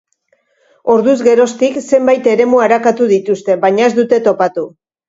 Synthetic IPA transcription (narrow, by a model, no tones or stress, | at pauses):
o̞ɾðuzɣe̞ɾo̞st̪ikse̞mbajt̪e̞ɾe̞muaɾakat̪uðit̪ust̪e̞βaɲae̞zd̪ut̪e̞t̪o̞pat̪u